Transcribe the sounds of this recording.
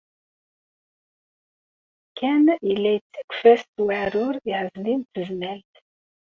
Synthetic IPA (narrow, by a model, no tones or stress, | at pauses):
kʰːænilːæjt͡sːikʷːfæst̪waʕɾʊɾiʕəzlint̪əznælt̪